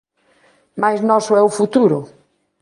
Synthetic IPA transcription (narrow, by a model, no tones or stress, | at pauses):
majznɔsʊɛʊfut̪uɾʊ